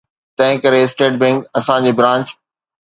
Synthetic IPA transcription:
t̪ɐ̃ɦɪ̃kɐɾesʈeːʈ̚bẽŋkɐsãd͡ʑeːbɾãːɲt͡ɕ

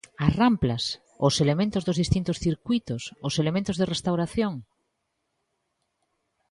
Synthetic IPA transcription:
aramplas | oselemẽnt̪ozðozðist̪int̪osθiɾkwijt̪ososelemẽnt̪ozðerest̪awɾaθjoŋ

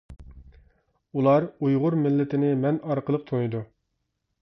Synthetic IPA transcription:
ulˠɑɾujʁʊɾmɪlːɪt̪ʰɪnɪmɛnɑɾqəlˠəq̚t̪ʰonɨd̪u

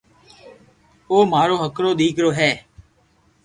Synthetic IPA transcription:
oːmaːɾoːɦəkɾoːɗ̪iːkɾoːɦɛː

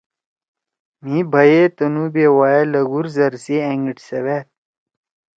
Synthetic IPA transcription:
mĩbʱɐjet̪ɐnubeːwaːelɐɡuɾzɐɾsieŋɡiʈsɐwet̪

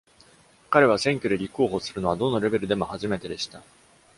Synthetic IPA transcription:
kaɾe̞β̞asẽ̞ŋkʲod̪e̞ɾʲiko̞ːɦoːsɨɾɯ̟no̞βad̪o̞nːoɾe̞be̞ɾɯ̟d̪e̞mo̞haʑime̞t̪e̞d̪e̞ɕi̥t̪a

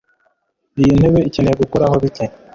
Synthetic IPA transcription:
ijinhe̞βe̞icenejeɡukoɾaɦo̞βike

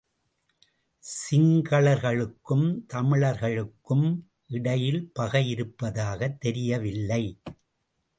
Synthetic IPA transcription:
sɪŋɡɐɭɐɾɣɐɭɯkːɯmt̪ɐmɪɭɐɾɣɐɭɯkːɯm | ʔɪɽɐjɪlpɐɣɐjɪɾɯpːɐðaːɣɐt̪ːɛɾɪjɐʋɪlːɐɪ

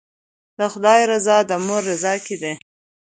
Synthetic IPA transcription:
d̪əxʊd̪ɑjɾazɑd̪əmʊɾːazɑkid̪e

